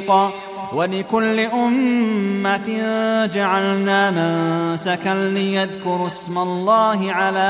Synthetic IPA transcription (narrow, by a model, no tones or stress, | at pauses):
qɑː | walɪkʊlːɪʔʊmːat̪d͡ʒaʕalnaːmɪnsakallɪjaðkʊɾɪsmalˤːɑːɦɪʕalaː